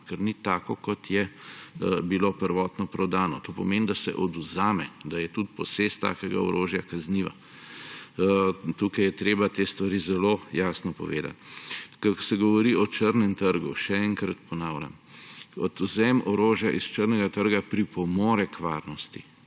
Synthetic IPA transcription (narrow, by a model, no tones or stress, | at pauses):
kɛɾnit̪aːkɔkɔt̪jɛ | bilopəɾʋɔːt̪nɔpɾɔd̪aːnɔt̪opɔmeːnd̪asɛ̰ʔɔd̪uzaːmɛd̪ajɛt̪ut̪̚pɔsest̪ːa̰ːkɛɡa̰ɔ̰ɾoːʒjakazniːʋa̰ | t̪ukɐjɛt̪ɾeːbat̪eːst̪ʋaɾizɛlojaːsnɔpɔ̰ʋḛːd̪a̰t̪kəsɛɡɔʋɔɾiɔt͡ʃəɾnɛmt̪əɾɡṵʃɛɛŋkɾat̪pɔnaːʊlʲa̰m | ɔd̪uzɛmɔɾoːʒjaʔist͡ʃəɾnɛɡat̪əɾɡapɾipɔmoːɾɛkʋaːɾnɔst̪i